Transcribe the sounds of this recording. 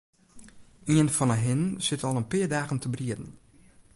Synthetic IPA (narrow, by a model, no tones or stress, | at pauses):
iənfɔnəɦɪnsɪtʰɔlˠənpɪːədaːɣəntʰəbriədn̩